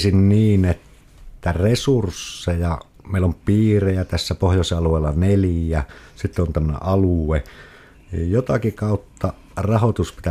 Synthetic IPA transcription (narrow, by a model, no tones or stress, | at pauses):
sinniːnet̪ː | æresursːejɑ | meˑilːompiːrejæt̪æsːæpohjosɑluˑeˑːlːɑneljæsit̪ːeont̪æmːənḛʔʔɑlue | njot̪ɑkikɑˑut̪ːɑ | rɑhot̪uspit̪æ